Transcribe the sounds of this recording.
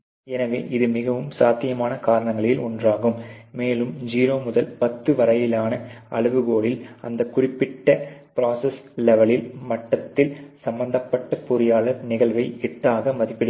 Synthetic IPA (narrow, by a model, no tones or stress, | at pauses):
ɛnɐʋḛːʔɪðɯmɪɣɐʋɯmsaːt̪ːɪjɐmaːnɐkaːɾɐɳɐŋɡɐɭɪlɔndraːɣɯmːeːlɯmd͡ʒiːɾoːmʊðɐlpɐt̪ːɯʋɐɾɐjɪlaːnɐɐ̰ɭɯʋɯɣoːɭɪlɐ̰nd̪ɐkʊrɪpːɪʈːɐpɪɾaːsɐslɛʋɐɭɪlmɐʈːɐt̪ːɪlsɐmbɐnd̪ɐpːɐʈːɐpʊɾɪjaːɭɐɾnɪɣɐɭʋɐɪɛʈːaːɣɐmɐðɪpːɪɽɐ